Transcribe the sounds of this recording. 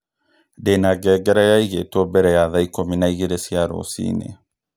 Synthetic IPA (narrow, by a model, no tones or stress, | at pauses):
denaɡɛɡɛɾajaiɣet̪obɛɾɛjaðaikominaiɣiɾesiaɾo̰sḭːnḛ